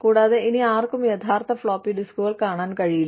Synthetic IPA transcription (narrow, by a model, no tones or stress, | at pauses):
kuːɽaːðeʔiniaːrkumjɐt̪ʰaːrt̪ɐfɭoːpːiɖiskuːɣɐlkaːɳaːnkɐɻijilː